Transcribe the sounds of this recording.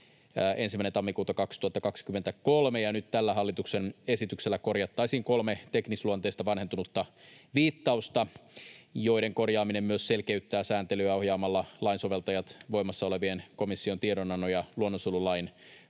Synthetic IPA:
ʔe̞nsimæinent̪ɑmːikuːt̪ɑkɑkst̪uhɑt̪ːɑkɑkskymːent̪æko̞lmejɑnyt̪t̪ælːæɦɑlːit̪uksenesit̪ykselːæko̞rjɑt̪ːɑisiːŋko̞lmet̪e̞knisluont̪est̪ɑʋɑnhe̞nt̪unut̪ːɑʋiːt̪ːɑust̪ɑ | jo̞iɾe̞ŋko̞rjɑːminemmyøsse̞lkeyt̪ːæːsæːnt̪elyæo̞hjɑːmɑlːɑlɑinso̞ʋelt̪ɑjɑt̪ʋo̞imɑsːɑo̞le̞ʋienko̞misːio̞nt̪ieɾonɑnːojɑluonːosululɑin

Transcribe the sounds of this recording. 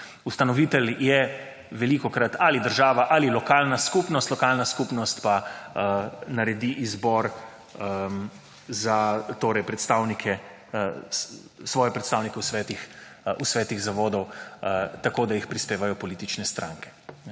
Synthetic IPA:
ust̪anɔʋiːt̪ɛljɛ | ʋɛlikɔkɾat̪alid̪əɾʒaːʋaʔalilɔkaːlnaskupnɔst̪lɔkaːlnaskupnɔst̪pa | naɾɛd̪iʔizbɔɾ | zat̪oːɾɛjpɾɛt̪st̪aːwnikʰɛ | sʋɔːjɛpɾɛt̪st̪aːwnikɛwsʋɛːt̪ix | usʋɛːt̪iɣzaʋoːd̪ɔw | t̪akoːd̪ajixpɾispeːʋajɔpɔliːt̪it͡ʃnɛst̪ɾã̰ːŋkɛ̥

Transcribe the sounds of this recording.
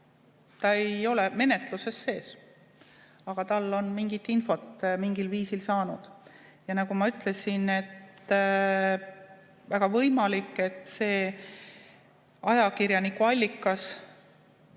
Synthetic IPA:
t̪ɑejo̞le̞me̞ne̞t̪ˑluse̞sːe̞ːs | ɑɡ̥ɑt̪ɑlːo̞nmiŋɡ̥it̪ːinfo̞t̪ːmiŋɡ̥ilviːsilsɑːnud̪̥ | jɑnɑkumɑyt̪ːˑle̞sine̞t̪ː | væɡ̥ɑvɤjmɑlikːˑe̞t̪ːˑse̞ː | ɑjɑkirjɑnikuɑlʲːikːˑɑs

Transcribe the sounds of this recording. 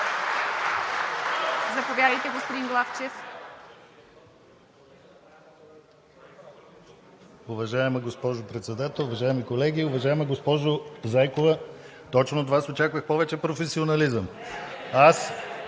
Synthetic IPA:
zɐpovʲjad̪əjt̪ɛɡospod̪inɡlˠaft͡ʃɛf | ʊvɐʒaɛmɐɡospɔʒʊpɾɛt̪sɛd̪at̪ɛlˠʊvɐʒaɛmikolɛɡʲiʊvɐʒaɛmɐɡospɔʒozajkovɐt̪ɔt͡ʃnot̪vasot͡ʃakvəxpɔvɛt͡ʃɛpɾofɛsionɐlizəm | as

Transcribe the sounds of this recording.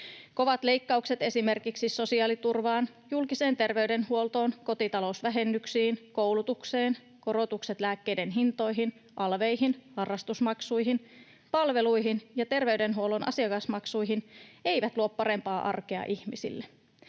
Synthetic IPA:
ko̞ʋɑt̪le̞jkːɑukset̪e̞sime̞rkiksiso̞siɑːlit̪urʋɑːn | julkise̞ːnt̪e̞rʋe̞yde̞nhuo̞lt̪o̞ːnko̞t̪it̪ɑlousʋæɦe̞nːyksiːnkowlut̪ukseːn | ko̞ɾo̞t̪ukset̪læːkːejde̞nɦint̪o̞jɦin | ʔɑlʋe̞jɦinhɑrːɑst̪usmɑksujɦin | pɑlʋe̞lujɦinjɑt̪e̞rʋe̞yde̞nɦuolo̞nʔɑ̰siɑkɑsmɑksujɦine̞ijʋæt̪luoppɑɾe̞mpɑːʔɑ̰rkeɑ̰ʔihmisḭlːe

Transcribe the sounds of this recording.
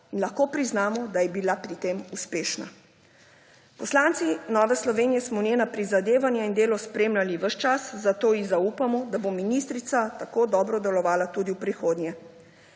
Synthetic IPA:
inlaxkoːpɾiznaːmɔd̪ajɛbilapɾit̪emuspeːʃna̰ | pɔslant̪sinɔːʋɛslɔʋeːnijɛsmɔnjenapɾizad̪eːʋanjaind̪eːlɔspɾeːmlaliʋəʃt͡ʃaszat̪oːizaupamɔd̪abominist̪ɾit̪sat̪akoːd̪ɔːbɾɔd̪ɛlɔʋaːlat̪uːd̪iwpɾixoːd̪njɛ

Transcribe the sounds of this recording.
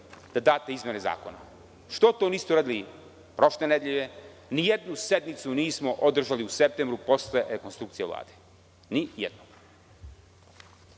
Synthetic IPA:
d̪̥ad̪aːt̪e̞izmjene̞za̰ːkona̰ | ʃt̪ot̪oniːst̪ouɾaːd̪ili | pɾo̞ʃlened̪jeʎe | nijed̪nuse̞d̪nit̪suniːsmoʔod̪r̩ʒaliusep̚t̪embɾupo̞sleɾekonst̪ɾukt̪sijeʋla̰ːd̪e̥ | nijed̪nom

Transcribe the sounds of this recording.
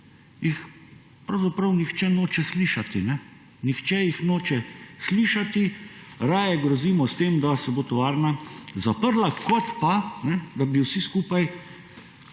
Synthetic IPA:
jix | pɾɐwzapɾɐwnixt͡ʃɛnoːt͡ʃɛsliːʃat̪inɛ | nixt͡ʃɛjixnoːt͡ʃɛsliːʃat̪i | ɾaːjɛɡɾɔziːmɔst̪eːmd̪asɛbot̪ɔʋaːɾnazapəɾlakɔt̪panɛd̪abiwsiskuːpaj

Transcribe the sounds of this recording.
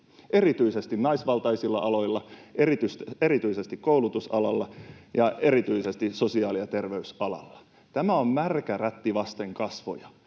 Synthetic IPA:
ʔerit̪yisest̪innɑisʋɑlt̪ɑisilːɑ̰ʔɑlo̞ilːɑʔerit̪yst̪eɾit̪yisest̪ikkoulut̪usɑlɑlːɑjɑeɾit̪yisest̪isosiɑːliɑt̪erʋeysɑlɑ̰lːɑ̥ | t̪æmæommærkæræt̪ːiʋɑst̪eŋkɑsʋo̰jɑ

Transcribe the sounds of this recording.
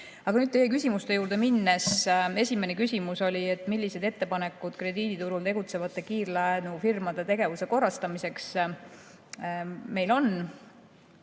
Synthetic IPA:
ɑɡ̥ɑnyːd̪̚e̞jekysʲimust̪e̞juːɾd̪e̞minːese̞sʲime̞ne̞kysʲimuso̞lʲie̞t̪ːˑmilʲːise̞d̪e̞t̪ːe̞pɑne̞kːˑud̪̥kre̞d̪iːd̪̥it̪uɾult̪e̞ɡut̪se̞vɑt̪ˑːe̞kiːrlɑnufirmɑd̪̥e̞t̪e̞ɡe̞vuse̞ko̞rɑst̪ɑmise̞ks | me̞jlo̞n

